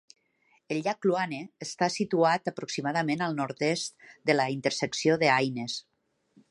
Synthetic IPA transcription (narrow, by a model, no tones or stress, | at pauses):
əlʎakluaneːst̪asit̪uat̪əpɾuksimaðəmenəlˠnɔɾt̪est̪d̪ələint̪əɾsəksioðəajnes